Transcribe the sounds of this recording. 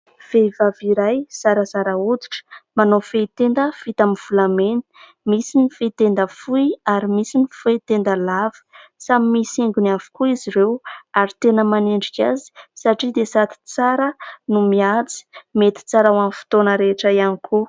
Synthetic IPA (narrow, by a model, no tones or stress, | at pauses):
v̥evaviɾajz̥aɾəzaɾaud̪u̥ʈ͡ʂə̥manofeit̪end̪əfit̪amiv̥ulameni̥ | misinifet̪end̪əfuiaɾimisinifet̪end̪əlavi̥samimisiŋɡunavu̥kuiziɾewaɾit̪enəmaneɳɖ͡ʐikʲazi̥saʈ͡ʂid̪esat̪i̥t͡saɾənumiat͡si̥met̪i̥t͡saɾawamfi̥t̪onəɾeʈ͡ʂəianikʰu